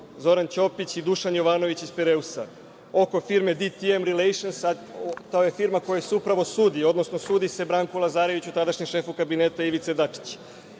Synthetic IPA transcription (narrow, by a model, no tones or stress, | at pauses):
zo̞ɾant͡ɕo̞pit͡ɕid̪uʃanjo̞ʋaːno̞ʋit͡ɕispeɾe̞usa̰ | o̞ko̞fiɾme̞d̪it̪iemɾilejʃonsat̪aoje̞fiɾmako̞jaseupɾaʋo̞suːd̪io̞d̪no̞snosuːd̪ise̞bɾaːŋkulˠazaːɾe̞ʋit͡ɕut̪ad̪aʃɲemʃe̞ːfukabineːt̪aiʋit̪se̞d̪at͡ʂi̥t͡ɕ